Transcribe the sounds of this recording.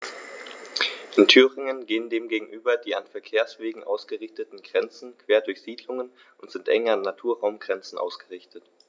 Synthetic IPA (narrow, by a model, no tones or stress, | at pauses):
ʔɪntʰyːʁɪŋənɡeːəndeːmɡeːɡŋ̩ʔyːbɐdiːanfɛɐkʰeːɐsv̥eːɡŋ̩ʔaʊsɡ̥əʁɪçtətn̩ɡʁɛnt͡sn̩kv̥eːɐdʊɐçz̥iːdlʊŋən | ʔʊntz̥ɪntʔɛŋəanːatʰuːɐʁaʊmɡʁɛnt͡sn̩ʔa̰ʊsɡ̥əʁɪçtət